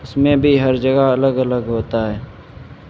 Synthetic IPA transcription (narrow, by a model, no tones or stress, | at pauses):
ʊsmẽbʱiɦɐɾd͡ʒəɡəɐləɡɐləɡɦoːt̪aɦɛː